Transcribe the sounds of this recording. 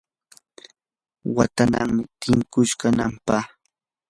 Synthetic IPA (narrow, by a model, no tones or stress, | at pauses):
wa̰t̪ana̰ŋmɪt̪ɪŋkʊʃkanampah